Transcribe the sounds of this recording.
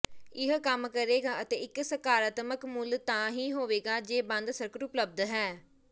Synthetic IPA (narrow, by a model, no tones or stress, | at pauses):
ɪɦkəmkəɾeːɡaːət̪eːɪksəkaːɾaːt̪məkmʊlt̪ãːɦiːɦoːʋeːɡaːd͡ʒeːbə̃nd̪səɾkəɾʊpləb̚d̪ɦɛː